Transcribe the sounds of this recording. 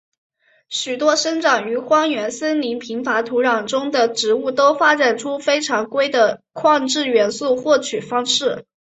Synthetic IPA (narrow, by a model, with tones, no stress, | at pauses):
ɕy˨˩t̪wɔ˥ʂə˥ŋʈ͡ʂɑ˨˩ŋy˧˥xwɑ˥ŋɥɛ˧˥nsə˥nli˧˥npʰi˧˥ŋfa˧˥t̪ʰu˧˥ɻɑ˨˩ŋʈ͡ʂʊ˥ŋd̪ə˨ʈ͡ʂɻ̩˧˥u˥˩t̪o˥ʊfa˥ʈ͡ʂa˨˩nʈ͡ʂʰu˥fe˥ɪʈ͡ʂʰɑ˧˥ŋkwe˥ɪd̪ə˨kʰwɑ˥˧ŋʈ͡ʂɻ̩˥˩ɥɛ˧˥nsu˥˧xwɔ˥˩t͡ɕʰy˨˩fɑ˥ŋʂɻ̩˥˩